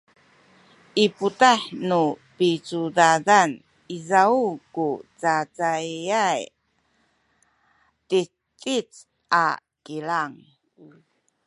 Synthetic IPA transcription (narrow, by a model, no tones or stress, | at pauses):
ʔiputaħnupit͡sudadan | izaukut͡sat͡sajaj | ti | t͡sʼit͡s | ʔa̰ | kilaŋ